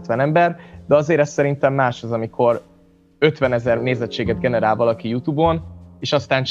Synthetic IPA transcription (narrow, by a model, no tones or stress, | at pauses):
t̪ʋɛnɛmbɛrd̪ɛɒzeːɾɛst̪sɛɾint̪ɛmːaːʃɒzɒmikʰo̞ɾ | ø̞t̪ʋɛnɛzɛrneːzɛt͡ʃːeːɡɛd̪ɡɛnɛɾaːlvɒlɒkijut̪ubo̞neːʃɒst̪aːnt͡ʃ